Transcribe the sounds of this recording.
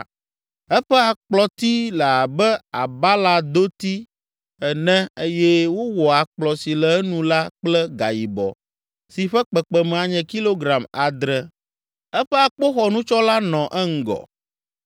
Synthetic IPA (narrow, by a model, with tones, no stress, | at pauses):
ɛ˦ɸɛ˦a˨k͡plɔ˨t̪i˦lə˨a˨bɛ˦a˨ba˦la˦d̪o˦t̪i˦ | ɛ˨nɛ̃˦e˦jɛ˦wo˦wɔ˨a˨k͡plɔ˨si˨lɛ˨˦nũ˦la˦k͡plɛ˦ɡa̰˨ji˨bɔ̰˨ | si˨ɸɛ˦k͡pɛ˨k͡pɛ˨mɛ̃˨a˨ɲɛ̃˨ki˦lo˦ɡɾa˨ma˨d̪ɾɛ˨ | ɛ˦ɸɛ˦a˨k͡po˦xɔ˨nũ˦t͡ʃɔ˦la˦nɔ̃˨ʔɛ˦ŋ̩˦˨ɡɔ̰˨